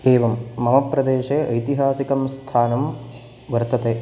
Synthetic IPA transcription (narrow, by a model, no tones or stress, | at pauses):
eːʋɐmːɐmɐpɾɐd̪eːʃeɐjt̪iɦaːsikɐmst̪ʰaːnɐm | ʋɐɾt̪ɐt̪eː